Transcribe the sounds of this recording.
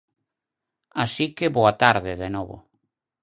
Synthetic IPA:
asikeβoat̪aɾðeðenoβo̰

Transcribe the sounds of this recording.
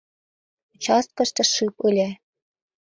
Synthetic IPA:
ut͡ɕɑst̪̚kɤ̆ʃt̪ɤ̆ʃɨpɯlʲe

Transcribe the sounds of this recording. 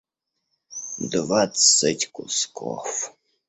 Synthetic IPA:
d̪vat̪sətʲkʊskʰɔ̰f

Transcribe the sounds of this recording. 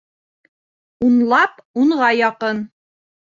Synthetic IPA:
unlˠɑpuɴʁɑjɑqɤn

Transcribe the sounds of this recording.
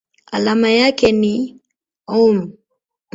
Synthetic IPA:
alamajakɛni | om

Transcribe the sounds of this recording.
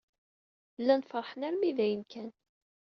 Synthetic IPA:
lːænfəɾˤħənæɾmiðæjənkʰæn

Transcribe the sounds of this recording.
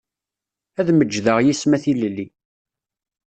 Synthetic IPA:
æðməd͡ʒːðəʁjismæθiləlːi

